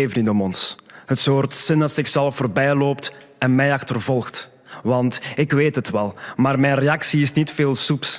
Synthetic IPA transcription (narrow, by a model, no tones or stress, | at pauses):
efnitɔmɔnsɦətsoːrtsɪnɑsɪxsɛlˠfoːrbɛjloːp̚t | ɛnmɛjɑxtərvɔlˠxt | ʋɑntɪkʋeːtɦətʋɛlˠmaːrmɛjnreɑksiɪsnitfeːlˠsups